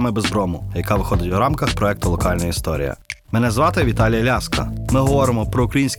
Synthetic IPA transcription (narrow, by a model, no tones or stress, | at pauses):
mɪbezbɾɔmʊjɐkɑʋɪxɔd̪ɪtʲʋɾɑmkɐxpɾɔɛk̚t̪ʊlˠɔkɑlʲnɔjist̪ɔɾʲḭjɐ̰mɛnɛzʋɑt̪ɪʋʲit̪ɑlʲijɐlʲaskɐ̰mɪɦɔʋɔɾɪmɔpɾɔʊkɾɐjinʲsʲk